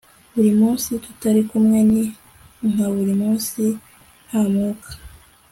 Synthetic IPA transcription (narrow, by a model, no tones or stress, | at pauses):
βuɾimuːnsitu̥taɾikumŋe̞ni | ŋ̥aβuɾimuːnsi | hamuːkʰḁ